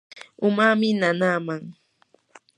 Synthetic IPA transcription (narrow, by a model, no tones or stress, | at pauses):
ʊmamɪnanaːmaŋ